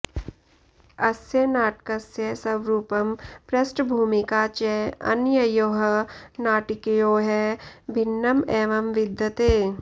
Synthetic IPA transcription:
ɐsjɐnaːʈkɐsjɐsɐʋɾuːpɐmpɾɐsʈbʱuːmɪkaːt͡ʃɛɐ̰njɐjoːɦɐnaːʈɪkjoːɦɛbʱɪnːɐmeːʋɐmʋɪd̪ʱjɐt̪eː

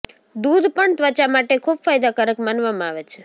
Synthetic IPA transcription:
d̪ud̪ʱpəɳt̪ʋət͡ʃamaʈekʰubfajd̪akəɾəkmanʋamãaʋet͡ʃʰe

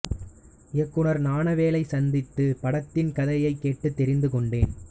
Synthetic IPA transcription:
ɪɐkːɯɳɐɾnaːɳɐʋeːlɐɪsɐnd̪ɪt̪ːɯpɐɽɐt̪ːɪnkɐðɐjɐɪkːeːʈːɯt̪ːɛɾɪnd̪ɯkɔɳɖeːn

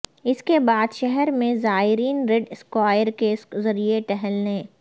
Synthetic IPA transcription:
ɪskebaːd̪ʃɛɦɛɾmẽzaːɪɾiːnɾeɖɪskwaːjəɾkeszɐɾieʈɛɦɛlnẽː

